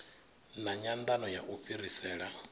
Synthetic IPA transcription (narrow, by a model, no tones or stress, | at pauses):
naɲand̪anɔjaʔuɸiɾisɛːɺa